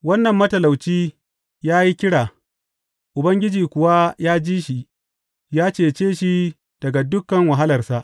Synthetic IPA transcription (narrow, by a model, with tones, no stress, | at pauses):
wɐ˦nːɐ˨mːɐ˦tɐ˨la˨wt͡ʃiː˦ | jaː˦ji˦kʲɪ˦ɽaː˨ | ʔʊ˨bɐ˦ŋɡʲɪ˦d͡ʒiː˨kʷʊ˨wa˦jaː˦d͡ʒiː˦ʃi˨ | jaː˦t͡ʃeː˨t͡ʃeː˦ʃi˦ | d̥ɐ˨ɡa˨dʊ˦kːɐ˨ŋwɐ˨ɦa˦lɐ˨rsa˦ʔ